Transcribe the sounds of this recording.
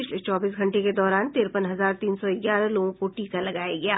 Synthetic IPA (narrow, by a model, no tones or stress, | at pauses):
ɪt͡ʃʰlet͡ʃɔːbiːs̬ɡʱɐ̃ɳʈeked̪ɔːɾaːnt̪eːɾpənɦɐzaːɾt̪iːnsɔɪɡjaːɾəloːɡõkoʈiːkalɐɡaːjaɡɐjaː